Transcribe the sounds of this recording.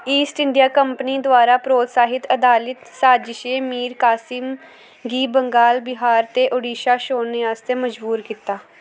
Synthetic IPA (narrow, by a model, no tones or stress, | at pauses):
iːsʈɪɳɖijaːkəmpniːd̪ʊaːɾaːpɾoːt̪saːɦɪt̪əd̪aːlɪt̪saːd͡ʒʃeːmiːɾkaːsɪm | ɡiːbəŋɡaːlbɪɦaːɾt̪eːʔoɖiːʃaːʃoːnːeaːst̪eːməd͡ʒbuːɾkiːt̪aː